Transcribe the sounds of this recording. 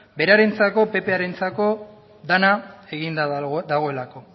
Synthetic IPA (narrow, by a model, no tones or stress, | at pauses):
be̞ɾaɾe̞nt͡sako̞pe̞pe̞aɾe̞nt͡sako̞ | ðanae̞ɣind̪ad̪aɣ̞o̞e̞lako̞